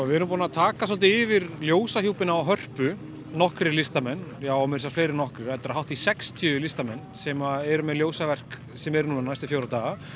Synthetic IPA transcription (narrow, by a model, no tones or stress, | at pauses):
vɪɛɾʏmpuːnat̪ʰaːkas̬ɔlt̪ɪɪvɪɾljoːwsaɦiuwpɪnaaɦœr̥pʏ | nɔhkɾɪlɪst̪amɛnːjaːwɔmɛɾs̬afleːjɾɪɾnɔhkɾɪɾɛt̪ːaɾaɦawht̪isɛkst̪ʰjʏːʏlɪst̪amɛnːsɛmaɛɾʏmɛðljoːwsavɛr̥k | sɛmɛɾnunanajst̪ʏfjowɾat̪aːɣa